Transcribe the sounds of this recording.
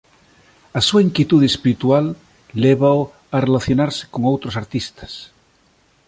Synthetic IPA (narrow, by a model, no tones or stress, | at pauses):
ɐsuaiŋkjet̪uð̞eespiɾit̪ualː | eβao | arelaθjonaɾse̥koŋowt̪ɾosaɾt̪ist̪ɐ̥s